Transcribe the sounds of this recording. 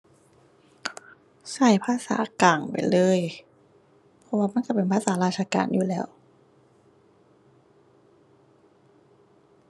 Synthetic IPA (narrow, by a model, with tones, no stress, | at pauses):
sa˨˩jpʰaː˧sa̰ː˩˦kaː˨˩ŋpa̰˨˩jlɤː˧˥˨j | pʰɔ˧˥waː˧ma˧˥˨nka˧˩pe˨˩npʰaː˥˩saː˨˩˦ɾaː˧˩t͡ɕʰaː˧ka̰ː˨njuː˨˩lɛː˦˥˩w